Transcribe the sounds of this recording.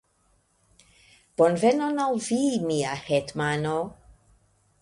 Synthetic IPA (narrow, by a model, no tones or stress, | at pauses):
b̥ɔnvɛnɔnalˠviːmiːahɛdmanɔ